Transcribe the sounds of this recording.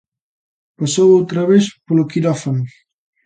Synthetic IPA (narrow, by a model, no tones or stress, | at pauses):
pasowowt̪ɾaβespolokiɾɔfanu